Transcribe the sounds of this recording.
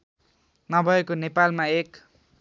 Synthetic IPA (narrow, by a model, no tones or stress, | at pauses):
nʌbʱʌekonepalmaek